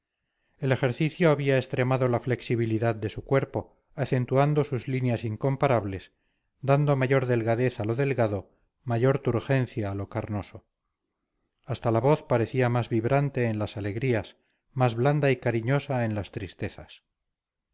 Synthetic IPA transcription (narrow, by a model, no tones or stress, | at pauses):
e̞le̞xe̞ɾθiθjoaβiaest̪ɾe̞maðo̞lafle̞ksiβiliðaðd̪e̞sukwe̞ɾpo̞ | aθe̞nt̪uand̪o̞suzlinjasiŋko̞mpaɾaβle̞s | d̪and̪o̞maʝo̞ɾðe̞lɣaðe̞θalo̞ðe̞lɣaðo̞ | maʝo̞ɾt̪uɾxe̞n̟θjaːlo̞kaɾno̞so̞ | ast̪alaβo̞θpaɾe̞θiamazβiβɾant̪e̞ːnlasale̞ɣɾias | mazβland̪aikaɾiɲo̞saenlast̪ɾist̪e̞θas